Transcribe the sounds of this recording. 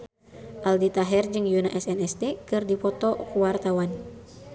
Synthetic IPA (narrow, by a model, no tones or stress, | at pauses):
ʔaldit̪aɦɛrd͡ʒɨŋjunaʔɛsɛnɛst̪ɛkɨrdipɔt̪ɔkuwart̪awan